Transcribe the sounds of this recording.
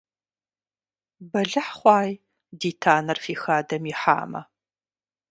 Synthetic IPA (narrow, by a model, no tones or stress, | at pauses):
bɐɮɨħχʷɑːj | diːtʰaːnɐrfiːxaːdɐmjɪħa̰ːmɐ̰